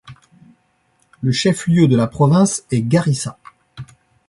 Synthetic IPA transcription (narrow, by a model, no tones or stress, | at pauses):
ləʃɛfljød̪əlapχɔvɛ̃sɛɡaʁisa̰